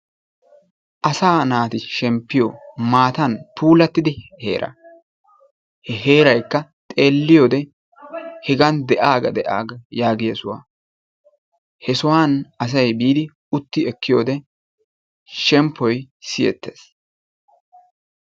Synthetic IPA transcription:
ʔɐsaːnaːt̪ɪʃɛmpːɪjɔmaːt̪ɐnpʰuːlɐt̪ːɪd̪ɪhe̞̰ːɾʔɐ̰ | hɛɦe̞ːɾɐjkːɐt̪ʼe̞ːlːɪjoːd̪ɛ | hɛɡɐnd̪ɛʔaːɡɐd̪ɛʔa̰ːɡɐjaːɡɪjɐsʊwa̰ː | hɛsʊwaːnɐs̬ɐjbiːd̪ɪ | ʊt̪ːɪɛkːɪjoːd̪ɛ | ʃɛmpːɔj | sɪjɛ̰t̪ːḛːs

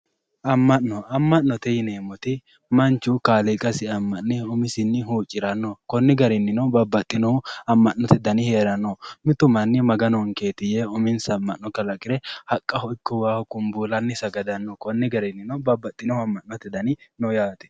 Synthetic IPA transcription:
ʔɐmːɐʔnɔɐmːɐʔːɔt̪ɛjɪneːmɔt̪ɪ | mɐnt͡ʃːʊkaːlɪkʼɐsɪɐmːɐʔnɪʊmɪsɪnːɪɦuːt͡ʃʼːɪɾɐnːɔkɔnːɪɡɐɾɪnːɪnɔbɐbːɐt̪ʼːɪnɔhʊɐmːɐnnːɔt̪ɪd̪ɐnɪhe̞ːɾɐnːɔmɪt̪ʊmɐnːɪmɐɡɐnɔŋke̞ːt̪ɪjeʊmɪnsɐmːɐʔːɔkɐlɐkʼɪɾɛhɐkʼːɐhɔɪkːɔwaːhʊkʼʊmbuːlɐnːɪsɐɡɐd̪ɐnːɔkɔnːɪɡɐɾɪnːɪnɔbɐbːɐt̪ʼːɪnɔhɐmːɐʔnɔt̪ɛd̪ɐnɪnɔjaːt̪ɛ̥

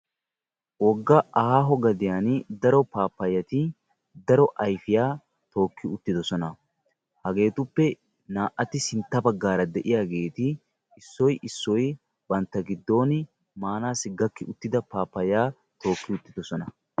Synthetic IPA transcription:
wɔɡːɐʔɐhaːɦɔɡɐd̪ɪjaːnd̪ɐɾɔpaːpːɐjːɐt̪ɪ | d̪ɐɾɔʔɐjfɪjaː | t̪o̞ːkːɪʊt̪ːɪd̪ɔsɔnɐ | hɐɡe̞ːt̪ʊpːɛ | naːʔʔɐt̪ɪsɪnt̪ːɐbɐɡːaːɾɐd̪ɛʔɪjaːɡe̞ːt̪ɪ | ɪsːɔjʔɪsːɔj | bɐnt̪ːɐɡɪd̪ːo̞ːnɪ | maːnaːsɪɡːɐkːɪʊt̪ːɪd̪ɐpaːpːɐjaː | t̪o̞ːkːɪʊt̪ːɪd̪ɔsɔnɐ

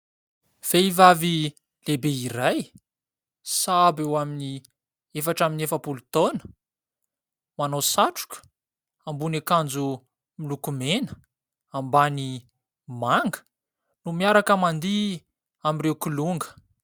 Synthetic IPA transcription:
v̥eivavi | lebeiɾaj | sabewamini | efaʈ͡ʂaminefəpulut̪onə̥ | manosaʈ͡ʂu̥kʲə̥ | ambunekand͡zu | milukumenə | ambani | maŋɡə̥ | numiaɾakəmand̪i | amirewkuluŋɡə̥

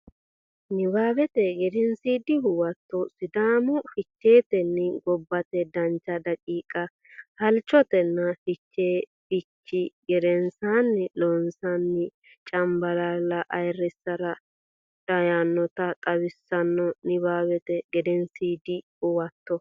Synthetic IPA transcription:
nɪbaːbɛt̪ɛɡɛd̪ɛnsiːd̪ɪhʊwɐt̪ːɔsɪd̪aːmʊfɪt͡ʃːe̞ːt̪ɛnːɪɡɔbːɐt̪ɛd̪ɐnt͡ʃːɐd̪ɐkʼiːkʼɐ | hɐlt͡ʃːɔt̪ɛnːɐfɪt͡ʃːeːfɪt͡ʃːɪɡɛɾɛnsanːɪloːnsanːɪ | t͡ʃʼɐmbɐlalːɐʔɐjrɛsɐɾɐ | d̪̥ɐjaːnːɔt̪ɐt̪ʼɐwɪsːɐnːɔnɪbaːβɛt̪ɛɡɛd̪ɛnsiːd̪ɪhʊwɐt̪ːɔ

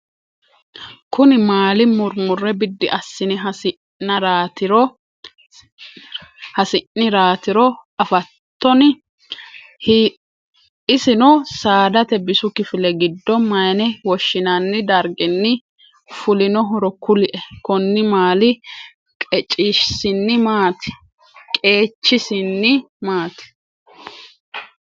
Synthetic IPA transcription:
kʊnɪmaːlɪmʊɾmʊrːɛbɪd̪ːɪʔɐsːɪnɪɦɐɪ | ɐɾaːt̪ɪɾɔ | hɐsɪnːɪɾaːt̪ɪɾɔɐfɐt̪ːɔn | hi | ɪsɪnɔsaːd̪ɐt̪ɛbɪsʊkɪfɪlɛɡɪd̪ːɔmɐjnɛwɔʃːɪnɐnːɪd̪ɐɾɡɪnːɪ | fʊlɪnɔɦɔɾɔkʊlɪʔɛkɔnːɪmaːlɪ | kʼɛt͡ʃʼɪʃsɪnːɪmaːt̪ɛ̥ | kʼe̞ːt͡ʃːɪsɪnːɪ | maːt̪ɪ̥

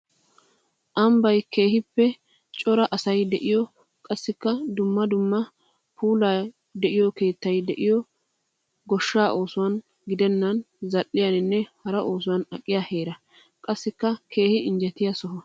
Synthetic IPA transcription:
ʔɐmbɐjkʰe̞ːhɪpːɛ | t͡ʃʼɔɾɐʔɐsɐjd̪ɛʔɪjɔ | kʼɐsːɪkːɐd̪ʊmːɐd̪ʊmːɐ | pʰuːla | d̪ɛʔɪjɔke̞ːt̪ːɐjd̪ɛʔɪjɔ | ɡɔʃːaːʔo̞ːsʊwɐn | ɡɪd̪ɛnːɐn | zɐʔːɪjanɪnːɛhɐɾɐʔo̞ːs̬ʊwɐnɐ̰kʼːɪjaːhe̞ːɾɐ | kʼɐsːɪkːɐkʰe̞ːhɪɪnd͡ʒɛt̪ːɪjasɔɦɔ

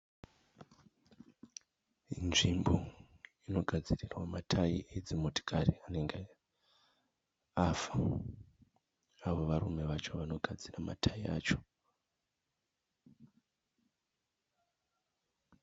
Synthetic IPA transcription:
inʐimbo̞ino̞ɡʱad͡zirirwamatʰaiʔed͡zimoti̥kʰaɾiane̞ŋɡe | afḁ | aʋo̞ʋaɾume̞ʋat͡ʃo̞ʋano̞ɡʱad͡zirama̰tʰaia̰ːt͡ʃo̞̥

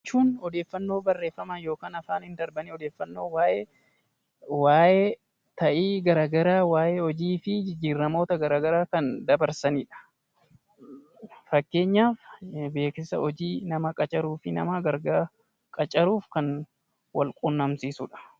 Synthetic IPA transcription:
t͡ʃːuːnɔd̪e̞ːfːɐnːo̞ːbɐrːe̞ːfːɐmaːjo̞ːkaːnɐfaːnɪnd̪ɐɾbɐniɔd̪e̞ːfːɐnːo̞ːwaːʔe | waːʔe | t̪ɐʔiːɡɐɾaːɡɐɾaːwaːjeɔd͡ʒiːfɪd͡ʒiːrːɐmo̞ːt̪ɐɡɐɾaːɡɐɾaːkɐnd̪ɐbɐɾsɐniːᶑɐ̥ | fɐkːe̞ːɲːaːfbe̞ːkɪsɐɔd͡ʒiːnɐmɐkʼɐt͡ʃʼɐɾuːfɪnɐ̰maɡɐɾɡaː | kʼɐt͡ʃʼɐɾuːfkɐn | wɐ̰lkʼʊnːɐmsiːsʊᶑɐ̥

